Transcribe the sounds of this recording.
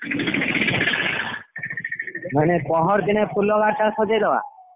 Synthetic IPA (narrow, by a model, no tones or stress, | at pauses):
mɛnepɔɦɔɾd̪inepʰulːɔɡaɾʈakʰod͡ʒed̪ɛwa̰